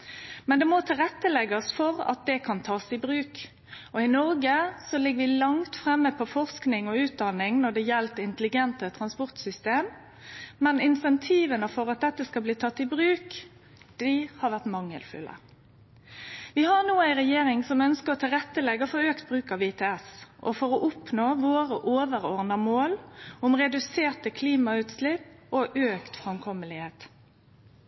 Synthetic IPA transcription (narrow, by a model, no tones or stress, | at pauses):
mɛnd̪ɛmɔt̪ʰɪlʁɛt̪ːəlɛɡəɔsfɔʁɑ̰t̪̚d̪ɛkʰɑnt̪ʰɑːsɪbʁʉːk | ɔɪnɔɾɡəsɔlɪɡːəʋɪlɑŋt̪fʁɛmːəpʰɔfɔʁsknɪŋɔʉːt̪̚d̪ɑnɪŋnɔd̪ɛjɛlt̪ɪnt̪əlɪɡɛnt̪ət̪ʰʁɑnspɔʁt̪sʏst̪eːmː | ɛnɪnsɛnt̪ʰiːʋənəfɔɾɑt̪̚d̪ɛt̪ːəskɑlbliːt̪ʰɑt̪ːɪbʁʉːk | d̪̥ɪhɑʋæʁt̪mɑŋːə̰lfʉ̰lʔə̰ | ʋɪhɑʁnuːæɪʁɛjeːɾɪŋsɔmœnskəʁɔt̪ʰɪlʁɛt̪ːəlɛɡːɔfɔøːkt̪̚bʁʉːkɑʋɪt̪ʰɛːɛsʔɔ̰fɔʁɔʔʊpnoːʋoːɾəʔoːʋəʁɔʁnəmoːlʊmʁɛd̪ʉseːʁt̪əkʰliːmɑʉːt̪slɪpɔʔøːkt̪fʁɛmkʰɔməlɪheːt̪